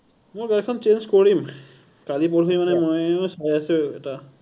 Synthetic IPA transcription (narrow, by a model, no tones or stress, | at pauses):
mʊɹɡalɛkʰːɔnt͡ʃenzkoɹim | kalip̬oɹoimanɛmɔjʊsajasʊ̃ɛta